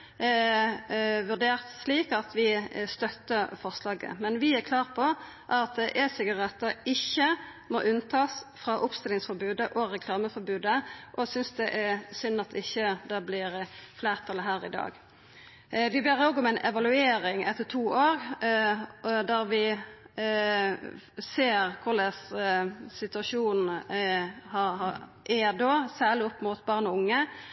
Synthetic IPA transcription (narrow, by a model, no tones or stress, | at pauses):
ʋʉʁɖ̪eːʁt̪sliːkɑt̪ʰʋɪst̪œt̪ːəfɔʁslɑːɡə̰mɛnʋɪækʰlɑːʁpʰɔ | ʔɑt̪̚d̪ɛʔɛsɪɡɑʁɛt̪ːəɪçːə | mo̰ːʔʉnt̪ʰɑːsfɾɑʔʊpst̪ɪlɪŋsfɔɾbʉːd̪əʔɔɾɛkʰlɑːməfɔɾbʉːd̪əʔɔsʏnsd̪ɛʔæɾsʏnːɑt̪̚d̪ɛɪçːəd̪ɛblɪʁfleːʁt̪ʰɑlːəɦæːɾɪ̰d̪ɑ̰ːɡ | ʋɪbeːʁoːɡɔmæɪnʔɛʋɑlʉeːɾɪŋɛt̪ʰːət̪ʰuːʔoːɾ | d̪æʁʋɪ | seːʁkʰʊləs | sɪt̪ʉɑsuːn | hɑhɑ | ʔɛd̪oːsæːʁɭɪɔpːmʊt̪bɑʁnɔʊŋːə